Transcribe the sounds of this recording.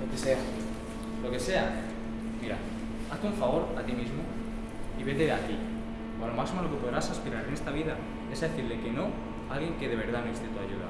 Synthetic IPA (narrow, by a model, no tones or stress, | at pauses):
lo̞kese̞a | lo̞ke̞se̞a | miɾa̰ | at̪euɱfaβo̞ɾat̪imizmo | iβe̞leat̪i | oalomasimaloke̞po̞ðɾasaspiɾaɾene̞st̪aβiða | e̞zðeθiɾle̞ke̞no̞ | alɣje̞ŋkeðe̞βe̞ɾð̞amest̪et̪uaʝuða̰